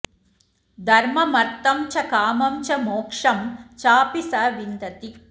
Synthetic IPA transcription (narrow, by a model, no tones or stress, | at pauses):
d̪ʱɐɾmɐmɐɾt̪ɐmt͡ʃɐkaːmɐmt͡ʃɐmoːkʂɐmt͡ʃaːpisɐʋind̪ɐt̪i